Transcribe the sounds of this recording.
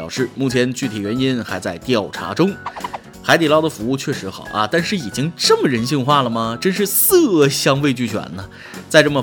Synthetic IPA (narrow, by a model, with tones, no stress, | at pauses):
ʊʂɻ̩˥˩mu˥˩t͡ɕʰjɛ˧˥nt͡ɕy˥˩t̪ʰi˨˩ɥɛ˧˥ni˥nxa˧˥ɪt͡sa˥˧ɪt̪jɑ˥˩ʊʈ͡ʂʰa̰˧˥ʈ͡ʂʊ˥ŋ | xa˧˥ɪt̪i˨˩lɑ˥˩ʊd̪ə˩fu˧˥u˥˧t͡ɕʰɥɛ˥˩ʂɻ̩˧˥xɑ˨˩˦ʊʔɐ˧t̪a˥˧nʂɻ̩˥˩i˨˩t͡ɕi˥ŋʈ͡ʂɤ˥˩mə˩ɻə˧˥nɕi˥˧ŋxwa˥˩lə˩mə˩ʈ͡ʂə˥nʂɻ̩˥˧sɤ˥˩ɕjɑ˥ŋwe˥˧ɪt͡ɕy˥˩t͡ɕʰɥɛ̰˨˩˦nlə˦ | t͡sa˥˧ɪʈ͡ʂɤ˥˩mə˩